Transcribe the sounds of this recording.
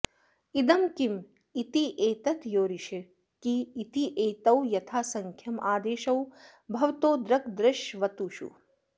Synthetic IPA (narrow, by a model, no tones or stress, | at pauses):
id̪ɐmkim | it̪iʔeːt̪ɐt̪joːɾiʃi | kiit̪iʔeːt̪ɐwjɐt̪ʰaːsɐŋkʰjɐmʔaːd̪eːʃɐw | bʱɐʋt̪oːd̪ɾɐkd̪ɾɪʃʋɐt̪uːʃṵ